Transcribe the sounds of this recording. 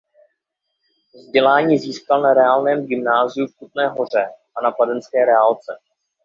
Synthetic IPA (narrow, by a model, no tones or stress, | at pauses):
zɟɛlaːɲiːziːskalnaɾɛaːlnɛːmɡɪmnaːzɪjufkut̪nɛːɦo̞r̝ɛʔanapadɛnskɛːɾɛalt͡sɛ